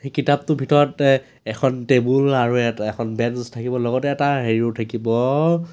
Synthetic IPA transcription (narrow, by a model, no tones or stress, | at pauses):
xekitap̚tʊbʱitɔɹɔt | ɛkʰɔntebulaɹuɛtɛkʰɔnbɛnstʰakibɔlɔɡɔtɛɛtaɦeɹiotʰakibɔ